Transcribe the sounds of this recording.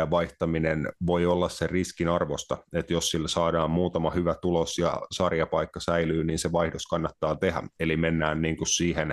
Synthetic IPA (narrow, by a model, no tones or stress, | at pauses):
æʋɑiht̪ɑminenʋoiolːɑsseriskinɑrʋost̪ɑ̰et̪jossilsɑːdɑːmmuːt̪ɑmɑhyʋæt̪ulosjɑ̰sɑrjɑpɑikːɑsæilyːniːnseʋɑihdoskɑnːɑt̪ːɑːt̪ehæ̰elimenːæːnniːŋkussiːhen